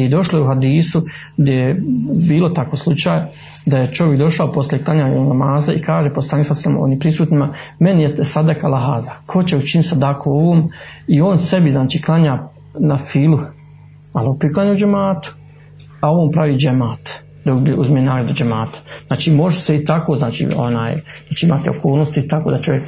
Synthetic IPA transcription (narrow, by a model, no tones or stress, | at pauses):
jed̪o̞ʃlojeuɦad̪iːsu | ɡd̪jejebiːlˠo̞t̪akoːslˠut͡ʃaːja | d̪aje̞t͡ʃoʋje̞kd̪o̞ʃaopo̞slʲeklˠaɲaːɲlamaːzaikaːʒepost̪ɾanisasamo̰njepɾisuːt̪nimame̞nijesad̪akalaɦaːzakʰo̞t͡ɕe̞ut͡ʃinit̪sad̪akʰooʋoːmio̞ːnse̞biznaːt͡ʃiːklˠaɲaː | nafiːlˠu | alopɾiklˠaɲaud͡ʒemaːt̪u̥ | ao̞ʋoːmpɾaʋiːd͡ʒemaːt̪ | d̪auʔuzmijenaːɡɾad̪ud͡ʒemaːt̪ḁznaːt͡ʃiːmo̞ʒeseit̪akoːznaːt͡ʃḭo̰na̰ːjnaːt͡ʃiimaːt̪eo̰koːlnost̪it̪akoːd̪at͡ʃo̞ʋjek